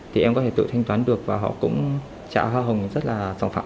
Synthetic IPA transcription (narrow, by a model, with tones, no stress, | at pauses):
t̪ʰi˨˩ʔɛ˧mkɔ˨˦t̪ʰe˧˩t̪ɨ̰˧˨t̪ʰa˧ŋ̟t̪waː˨˦nɗɨ˨˩ək̚vaː˨˩ɦɔ̰˧˨kʊ̰˧˥ŋ͡m | t͡ɕa̰ː˧˨ɦwaː˧ɦə˨˩wŋ͡mzə˦˥t̚laː˨˩za̰ː˧˩ŋfaː˧˨